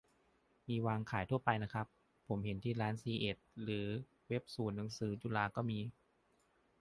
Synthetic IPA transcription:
miː˧waː˧ŋkʰaː˩˦jt̪ʰu˥˩ɐpa˧jna˦˥kʰa˦˥pʰː | o˩˦mɦe˨˩˦nt̪ʰiː˥˩ɾaː˦˥nsiː˧ʔe˨˩t̪̚ɾɯː˩˦ | we˦˥p̚suː˨˩nːa˩˦ŋsɯː˩˦t͡ɕuː˧˩laː˧kɔː˥˩miː˧

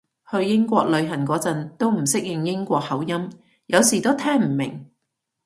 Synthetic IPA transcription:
hɵ˧ɥjɪ˥ŋkʷɔː˧k̚lɵ˨˧ɥɦɐ˨˩nkʷɔː˨˧˥t͡sɐ˧nt̪o˥wm̩˨˩sɪ˥k̚jɪ˨˧ŋjɪ˥ŋkʷɔː˧k̚hɐ˨˥wjɐ˥m | jɐ˨˧wsiː˨˩t̪o˥wt̪ʰɛː˥ŋm̩˨˩mɪ̰˨˩ŋ

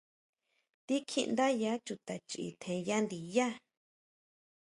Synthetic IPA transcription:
t̪i˦kʰḭ˧nd̪a˦ja˦t͡ʃu˧t̪a˨t͡ʃi˨ʔḭ˧˨t̪ʰẽ˧ja˦nd̪i˨ja˦

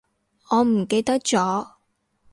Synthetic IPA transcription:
ŋɔː˨˧m̩˨˩ke˧jt̪ɐ˥k̚t͡ʃt͡sɔː˨˥

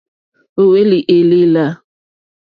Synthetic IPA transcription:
o˨we˦li˨ʔe˨li˦la˦

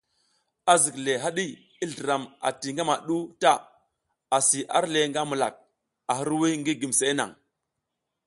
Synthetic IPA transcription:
a˨zi˨kle˨ɦa˦ɗi˦ | i˦ɮi˨ɾa˨ma̰˨ti˨ŋɡa˦ma˨ɗu˦ta˦˨ | a˨si˨ʔa̰˦ɾle˨ŋɡa˦mu˨la̰˨k̚ | a˨ɦi˦ɾwi˦ŋɡi˦ɡi˨mse˨˦na̰˨ŋ

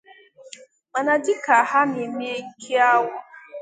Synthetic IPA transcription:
ma˨na˨dɪ˦ka˨ha˦mi˨mi˦e˦kʰi˦a˦wa˨

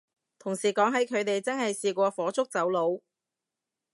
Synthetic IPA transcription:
t̪ʰʊ˨˩ŋsiː˨˩kɔː˨˥ŋɦɐ˨˥jkʰɵ˨˧ɥt̪e˨jt͡sɐ˥ŋhɐ˨jsiː˨˧kʷɔː˧fɔː˨˥t͡sʰʊ˥k̚t͡sɐ˨˥wlo˨˧w

